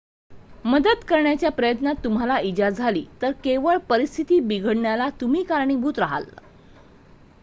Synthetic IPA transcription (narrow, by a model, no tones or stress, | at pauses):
məd̪əd̪kəɾɳjat͡ɕjapɾəjət̪nat̪ːum̤alaid͡ʑad͡zd͡zʱalḭːt̪əɾkeʋəɭpəɾist̪ʰit̪iːbiɡʱəɽɳjalat̪um̤iːkaɾɳiːbʱuːt̪ɾaɦa̰l